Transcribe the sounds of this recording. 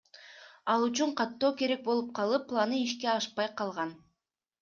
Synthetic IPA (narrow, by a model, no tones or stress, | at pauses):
ɑlˠyt͡ʃyɴqʰɑt̪ːo̞ːke̞ɾe̞k̚bo̞lˠup̚qʰɑlˠɯpːlˠanɯiʃke̞ɑʃpɑjqʰɑlˠʁɑn